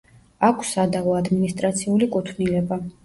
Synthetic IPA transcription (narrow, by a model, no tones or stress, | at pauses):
akʰsad̪avɔad̪minist̪ʼɾat̪sʰiulikʼut̪ʰvnilɛba